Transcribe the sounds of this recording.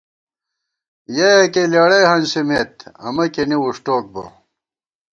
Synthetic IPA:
jɐjɐkelɐɽɐjhɐnsimet̪ɐ̰mɐkeniuʂʈoːk̚bɐ̰

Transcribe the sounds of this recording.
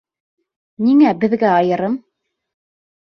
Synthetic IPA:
niŋæbɘ̆ðɡæɑjɤ̆ɾɤm

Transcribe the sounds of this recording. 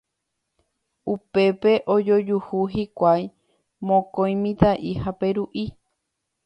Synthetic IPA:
upe̞pe̞ʔod͡ʒo̞d͡ʒuhuɦikʷaj | mõkõj̃mĩt̪aʔihape̞ɾuʔi

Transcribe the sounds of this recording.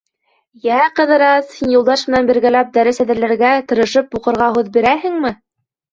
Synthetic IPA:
jæqɤ̆ðɤ̆ɾɑshinjulˠd̪ɑʃmɘ̆nænbɘ̆ɾɡælæp̚d̪æɾɘsæðɘɾlæɾɡæt̪ɤ̆ɾɤ̆ʃɤp̚buqɤ̆ɾʁɑɦʉðbiɾæhɘ̆ŋmɘ

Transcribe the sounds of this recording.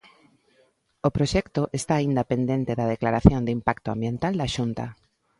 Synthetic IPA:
opɾoʃɛkt̪oʔest̪aːind̪apend̪ent̪ɪðað̞eklaɾaθjond̪ɪimpakt̪ʊa̰mbjent̪ald̪aʃunt̪a̰

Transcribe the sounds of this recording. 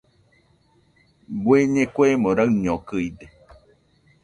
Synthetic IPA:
bweɲekwemõɾaɰɲõkɨid̪e

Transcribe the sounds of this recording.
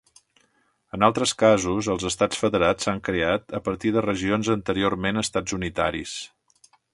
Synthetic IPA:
ənalˠt̪ɾəskazuzəlˠzəst̪at͡sfəðəɾat͡sːaŋkɾeat̪əpəɾt̪iðərəʒionzənt̪əɾioɾmenəst̪ad͡zunit̪a̰ɾis

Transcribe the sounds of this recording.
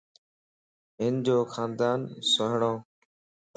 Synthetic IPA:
ɦɪnd͡ʑoːxaːnd̪aːnsoɦɳoː

